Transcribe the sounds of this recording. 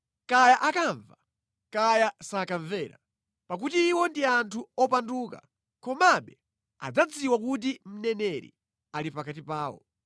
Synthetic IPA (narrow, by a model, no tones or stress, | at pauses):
kajaʔakaɱva | kajasakaɱvɛːɾa̰ | pak̬utiːwɔndiantʰuɔpanduːka̰ | kɔmaɓɛ | a̰d͡zad͡ziwak̬ut̬im̩nɛnɛɾḭ | alipakatipaːwɔ̰